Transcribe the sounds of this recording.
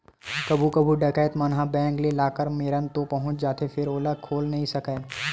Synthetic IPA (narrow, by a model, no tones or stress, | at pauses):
kɐbʱukɐbʱuɖɐkəjt̪mɐnɦabɛ̃ːŋklelaːkəɾmeːɾənt̪opɐɦʊ̃t͡ʃd͡ʒaːt̪efʰɪɾoːlakʰoːlnɐɦĩsɐkeː